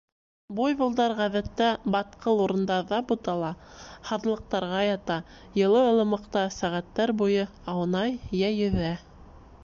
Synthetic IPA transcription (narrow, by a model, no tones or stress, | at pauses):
bujβɤ̆lˠd̪ɑɾʁæðæt̪ːæbɑt̪̚qʰɤlˠuɾɤ̆nd̪ɑðɑbut̪ɑlˠɑhɑðlˠɤ̆q̚t̪ɑɾʁɑjɑt̪ɑ | jɤ̆lˠɤŏlˠɤ̆mɤ̆qt̪ɑsæʁæt̪ːæɾbujɤ | ɑwnɑjjæjɵ̆ðæ